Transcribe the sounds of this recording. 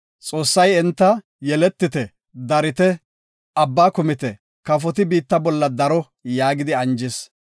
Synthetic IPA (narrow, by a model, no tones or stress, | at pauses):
t͡sʼo̞ːsːɐjɛnt̪ːɐ | jɛlɛt̪ːɪt̪ɛ | d̪ɐɾɪt̪ɛ | ɐbːaːkʊmɪt̪ɛ | kɐf̬ɔt̪ɪbiːt̪ːɐbɔlːɐd̪ɐɾɔ | jaːɡɪd̪ɪɐnd͡ʒɪs